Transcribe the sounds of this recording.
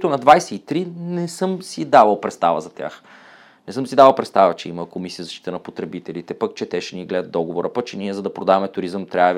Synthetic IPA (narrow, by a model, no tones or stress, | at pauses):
t̪ʊnɐd̪vajsɛit̪ɾinɛsɤmsid̪avəlˠpɾɛt̪st̪avə̰zɐt̪ʲja̰x | nɛsɤmsid̪avɐlˠpɾɛt̪st̪avət͡ʃɛiməkomisijəzɐʃt̪it̪ənɐpot̪ɾɛbit̪ɛlit̪ɛpək̚t͡ʃɛt̪ɛʃɛniɡlɛd̪ət̪d̪ɔɡovoɾəpək̚t͡ʃɛniɛzɐd̪ɐpɾod̪avɐmɛt̪ʊɾizəmt̪ɾa